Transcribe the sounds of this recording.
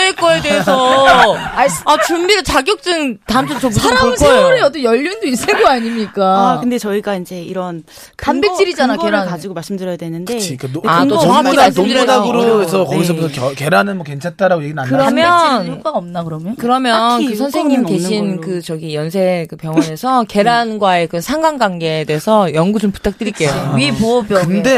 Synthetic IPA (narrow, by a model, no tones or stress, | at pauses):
eɭk͈ʌjedeesʰʌ | aat͡ɕumbiɡat͡ɕaɡjok̚t͡ɕ͈ɯŋtaɯmt͡ɕʰoʌsʰaɾaɯnʰojuɾeʌt͈ʌnjʌʎːundois͈ɯɭɡoaɲimɲik͈akkɯndet͡ɕʌiɡaind͡ʑe̞iɾʌn | kambet͡ɕ͈iɾid͡ʑanakeɾankad͡ʑiɡomaɭs͈ɯmdɯɾjʌjadwenɯndɯet͡ɕʰik͈anaɯaaomudaɡɯɾoisʰʌkʌɡis̬ʰʌuke̞ɾanɯnmʌkent͡ɕʰat͈aɾaɡojeɡinanɯɾʌmjʌn͈aʌmnakɯɾmjkɯɾʌmjʌnkɯsʰʌnsʰe̞ŋɲimke̞ɕʰinkɯt͡ɕʌɡijʌnsʰe̞kɯpjʌŋɦnne̞sʰʌke̞ɾanɡwae̞kɯsʰaŋɡaŋɡwaŋɡe̞ːde̞ɦːsʰʌjʌŋɡud͡ʑompu̥tʰak̚t͈ɯɾik͈e̞joipoʌbjʌɯnde̞